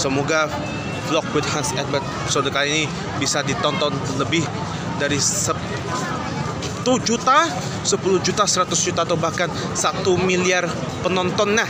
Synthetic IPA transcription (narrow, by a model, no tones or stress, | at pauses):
səmoɡa | flɔk̚wɪt̪̚hansɛt̪̚bɛt̪̚ | sod̪kalini | bisadit̪ɔnt̪ɔnləbɪh | daɾissə | t̪ud͡ʒut̪a | səpulʊhd͡ʒut̪asəɾat̪ʊsd͡ʒut̪at̪owbahkan | sat̪umiliar | pənɔnt̪ɔnːah